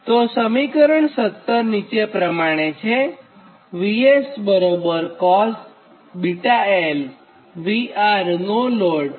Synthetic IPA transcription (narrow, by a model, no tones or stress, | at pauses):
t̪osəmikəɾəɳsət̪ːəɾnit͡ʃepɾəmaɽ̃et͡ʃʰe | ʋiesbəɾobəɾkɔs | biʈael | ʋiaɾnoloɽ